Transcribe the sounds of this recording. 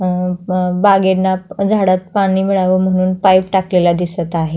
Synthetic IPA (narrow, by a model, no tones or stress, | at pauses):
baɡeɾnad͡zʱaɽat̪̚paɽ̃iːmiɭaʋəm̤əɽ̃uːnpajpʈaklelad̪isət̪aɦe